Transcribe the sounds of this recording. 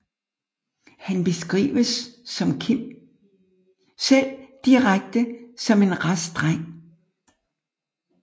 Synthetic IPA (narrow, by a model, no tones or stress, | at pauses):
hænb̥e̝sɡ̥ʁḭːʋəsːɒ̽mkʰim̰ | sel̰d̥iʁaɡ̥̚d̥əsɒ̽me̝nʁasd̥ʁaŋ̰